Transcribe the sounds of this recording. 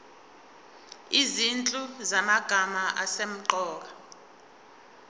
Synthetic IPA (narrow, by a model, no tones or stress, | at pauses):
izint͡ɬʼuzamaɡ̥ʱamaʔasem̩ǃɔːk̬a